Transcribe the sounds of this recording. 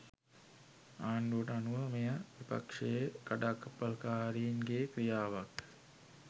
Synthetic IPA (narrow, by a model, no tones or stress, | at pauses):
aːɳɖuəʈəanuʋəmejaʋipa̰kʂeːkaɖaːkːɐpːɐlkaːɾiinɡeːkɾijaːʋak